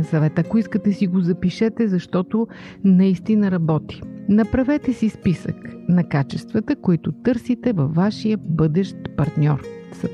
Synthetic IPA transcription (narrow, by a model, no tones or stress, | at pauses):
sɐvɛt̪əɐkoiskət̪ɛsiɡozɐpiʃɛt̪ɛzɐʃt̪ɔt̪o | nɐist̪inɐɾɐbɔt̪i̥nɐpɾɐvɛt̪ɛsispisə̰knɐkat͡ʃɛst̪vɐt̪əkoit̪ʊt̪ɤɾsit̪ɛvɐfːaʃijəbɤd̪ɛʃt̪pɐɾt̪nʲɔɾsɐ